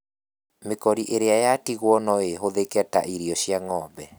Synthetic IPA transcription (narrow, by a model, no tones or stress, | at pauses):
mekɔɾiʔeɾeajatiɣwɔnɔeɦoðekɛta̰ʔiɾiɔɕiaŋɔbɛ